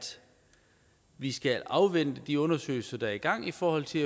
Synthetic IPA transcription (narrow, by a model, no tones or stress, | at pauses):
d̥ | ʋisɡ̥ælɑ̈ʊʋen̰d̥əd̥iɔ̽nɐsø̰ːɪl̩sɐd̥ɑ̈ɐiɡ̥ɑ̈ŋ̰ifɒːhɒ̽l̰t͡sʰe̝læ